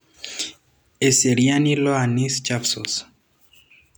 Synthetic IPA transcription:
eseɾjaniloanist͡ʃafsɔs

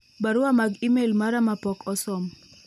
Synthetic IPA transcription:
baɾʊwamaɡimelmaɾamapɔkɔsɔm

